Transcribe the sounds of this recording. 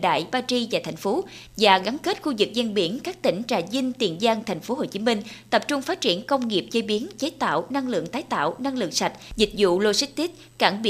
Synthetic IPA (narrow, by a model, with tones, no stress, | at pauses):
ɗa̰ː˧˨jɓaː˧t͡ɕi˧vaː˨˩t̪ʰa˨˩jŋ̟fo˨˦ | vaː˨˩ɣa˨˦nke˦˥t̚xu˧zɨ˨˩k̚zi˧nɓi˧˩ənkaː˦˥k̚t̪ï˧˩ŋ̟t͡ɕa̰ː˧˨˩zi˧ŋt̪i˨˩ənzaː˧ŋt̪ʰa˨˩jŋ̟fo˨˦ɦo˨˩t͡ɕi˨˦mï˧ŋ̟t̪ə˨˩p̚t͡ɕʊ˧ŋ͡mfaː˦˥t̚t͡ɕi˧˩ənkə˧wŋ͡mŋi˨˩əp̚t͡ɕə˧˦jɓi˨˦ənt͡ɕe˨˦t̪a̰ː˧˨wna˧ŋlɨ̰˧˨əŋt̪aː˨˦jt̪a̰ː˧˨wna˧ŋlɨ̰˧˨əŋsa˨˩jt̚zi˨˩k̟̚zṵ˧˨lo˧si˦˥k̚t̪i˦˥t̚ | ka̰ː˧˩ŋɓi˧